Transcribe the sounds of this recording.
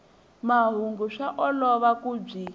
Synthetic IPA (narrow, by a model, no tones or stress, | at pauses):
maɦuŋɡuʂaʔɔlɔβakub͡ʐi